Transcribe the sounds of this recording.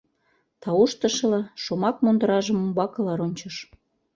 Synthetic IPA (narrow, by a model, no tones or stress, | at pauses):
t̪ɑoʃt̪ə̆ʃɤ̆lɑʃomɑk̚mond̪əɾɑʒəmombɑkɤ̆lɑɾonʲt͡ɕəʃ